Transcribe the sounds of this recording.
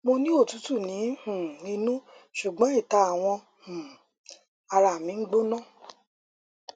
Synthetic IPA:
mo˧nĩ˦o˦˨tu˨˦tu˦˨nĩ˨˦hũ˨ĩ˧nũ˦ | ʃu˨ɡ͡bɔ̃˨˦i˦˨ta˧a˨w̃ɔ̃˧ | hũ˨ | a˧ɾa˨mĩ˨˦ɡ͡bo˦nɔ̃˦˨

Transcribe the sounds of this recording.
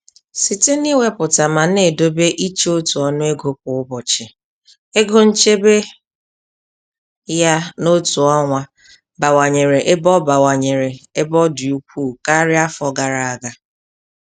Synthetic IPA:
si˨te˦ni˦we˦pʊ˨ta˨ma˨ne˨do˦be˦ʔi˦t͡ʃe˦o˦tu˨ɔ˦nʊ˦e˦ɡo˦p̚ʊ˨ʊ˦bɔ˨t͡ʃɪ˨ | e˦ɡo˦n̩˦t͡ʃe˦be˦ | ja˦no˦tu˨ɔ˦ŋʷa˦ | ba˨wa˨ɲe˨ɾe˨ʔɪ˦bɔ˦ba˨wa˨ɲe˨ɾe˨e˦bɔ˦di˨u˨kʷuː˦˨ka˦ɾɪ˦a˦fɔ˨ɡa˨ɾa˨a˨ɡa˦

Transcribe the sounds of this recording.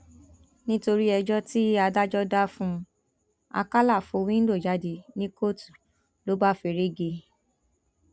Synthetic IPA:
nĩ˦to˧ɾi˦ɛ˧d͡ʒɔ˦ti˦a˧da˦d͡ʒɔ˦da˦fũ˦ | a̰˧ka˦la˦˨fo˨˧wĩ˦n̩˦do˦˨d͡ʒa˨˦di˧nĩ˦ko˦tu̥˨ | lo˨˦ba˦fe˧˨ɾe˦ɡe˧

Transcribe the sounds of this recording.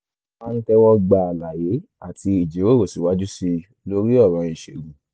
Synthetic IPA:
a˦˧n̩˦kɛ˦wɔ˦ɡ͡ba˧˨a˨la˨je˨˦a˦˨ti˧i˨d͡ʒe˨˦we˦˨ɾo˦˨si˨wa˨˦d͡ʒu˦si˧ | lo˦ɾi˦ɔ˦˨ɾɔ̃˨˧ĩ˨ʃe˨ɡũ˨

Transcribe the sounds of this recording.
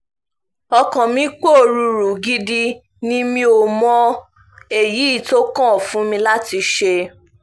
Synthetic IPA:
ɔ˧kɔ̃˨mĩ˧˦k͡po˦˨ɾu˧ɾu˨ɡi˦di˦ | nĩ˦mĩ˧˦o˨mɔ̃˦ | e˦˨ji˨˦i˦˨to˦kã˦ɔ˨fũ˨˦mĩ˧la˦ti˧ʃe˧

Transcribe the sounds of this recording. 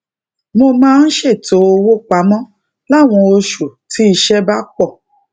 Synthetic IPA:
mo˧mãː˦n̩˦ʃe˦˨to˨˦o˧wo˦k͡pa˨˦mɔ̃˦ | la˦˨w̃ɔ̃˧o˧ʃu˨tʰi˨˦i˧ʃɛ˦ba˦k͡pɔ˦˨

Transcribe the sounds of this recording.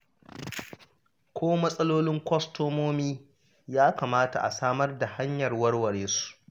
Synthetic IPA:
kʷʰoː˦mɐ˦sʼɐ˦loː˦lɪ˦ŋkʷɔ˦stoː˦moː˦miː˦ | jaː˦kaː˨maː˦ta˨ʔa̰˨saː˦mɐ˦rda˨ha˦ɲjɐ˨rwɐ˦rwɐ˨ɽeː˦su̥˨ʔ

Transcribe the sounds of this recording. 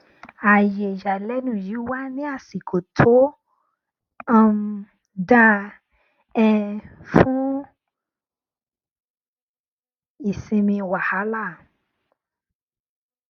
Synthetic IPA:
a˨je˨ja˨lɛ˨˦nũ˦˨ji˨˦wa˦nĩ˦a˦˨si˨kʰo˨tʰo˦ | a˦˧m˧ | dã˧˦ | ɛ˧fũ˦ | i˦˨sĩ˧mĩ˧wa˨ha˨˦la˦˨

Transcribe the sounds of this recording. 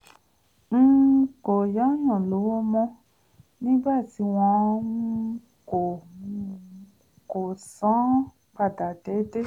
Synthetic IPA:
n̩˦ko˨ja˨˦jɔ̃˨lo˨˦wo˦mɔ̃˦ | nĩ˦ba˦˨ti˨˦w̃ɔ̃˧˦ | ko˨ | ko˨sɔ̃˨˦ | ba˨da˨de˨˦de˦

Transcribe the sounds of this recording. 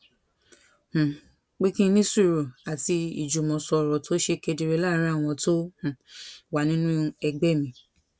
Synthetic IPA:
h̩˨ | k͡pe˦kĩ˦nĩ˦su˦i˨ɾo˨a˨ti˧ḭ˨d͡ʒu˨mɔ̃˨sɔ˧˨ɾɔ˨tʰo˦ʃe˧ke˧di˧ɾe˧˦la˦˨˦ɾ̃ã˦˨w̃ɔ̃˧to˦hũ˨wa˨nĩ˦nũ˦˧ɛ˧ɡ͡bɛ˦˨mĩ˨˧˦

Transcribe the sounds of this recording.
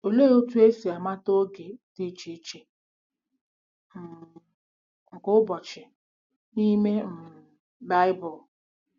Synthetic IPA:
o˨le˦o˦tu˦e˦si˨a˨ma˦to˦ɡe˨te˦t͡ʃi˦t͡ʃe˨ | m̩˨ | ŋ̩˨kʊ˦bɔ˨t͡ʃɪ˨ | ni˦me˦m̩˨ | ba˦ɪ˦bʊ˨

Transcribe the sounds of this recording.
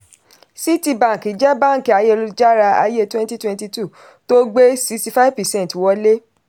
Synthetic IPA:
si˦ti˧bã˨ki˨d͡ʒɛ˦bã˦˨ŋ̩˨ki˨a˨˧je˦˧lu˧d͡ʒa˦ɾa˧a̰˧je˦˨twɛ̃˦n˦ti˦twɛ̃˦nti˧tu˦˨ | to˦ɡ͡be˦si˧sti˧fa˦vpɛ˨sɛ̃˦n˨twɔ˦le˦

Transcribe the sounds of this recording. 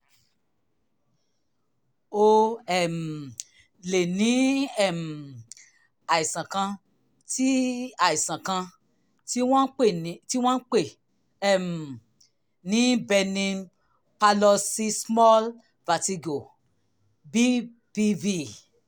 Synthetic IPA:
o˦ɛ˦˨m˨ | le˨nĩ˨˦ɛ˦˨m˨ | a˨i˨sã˨kã˧ | ti˦a˨i˨sã˨kã˧ | ti˦wɔ̃˦k͡pe˦˨˦ti˦w̃ɔ̃˦n̩˦k͡pe˦˨ | ɛ˦˨m̩˨ | nĩ˨˦bɛ˧nĩ˧ | pa˧lɔ˧si˦smɔ˦l | va˨ti˧ɡo˨ | bi˦ | b̥i˦vi˦

